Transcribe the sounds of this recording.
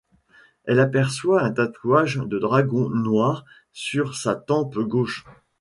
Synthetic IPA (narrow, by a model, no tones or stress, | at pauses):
ɛlapɛʁswaɛ̃t̪at̪ʰwaʒd̪əd̪ʁaɡɔ̃nwaʁ | syʁsat̪ɑ̃pɡoʃ